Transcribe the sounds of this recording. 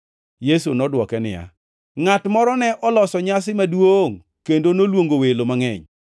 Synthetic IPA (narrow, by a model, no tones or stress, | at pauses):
jesunɔdwɔkɛnɪ̰ja̰ | ŋatmɔɾɔnɛʔɔlɔsɔɲas̬ɪmadwoŋ | kendonolwoŋɡowelomaŋɛɲ